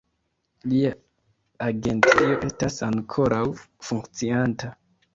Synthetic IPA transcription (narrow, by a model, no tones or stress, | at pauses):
lia | aɡe̞nt͡sio̞ʔe̞stasaŋkʰo̞ɾʔawfuŋkt͡sianta